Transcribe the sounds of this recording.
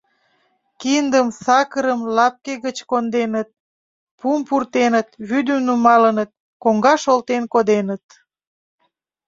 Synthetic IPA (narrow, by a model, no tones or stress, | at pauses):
kind̪əmsɑkəɾəmlɑp̚keɣət͡ɕkond̪enət̪̚ | pumpurt̪enət̪βyd̪əmnumɑlənət̪̚ | koŋɡɑʃolt̪enkod̪enət̪̚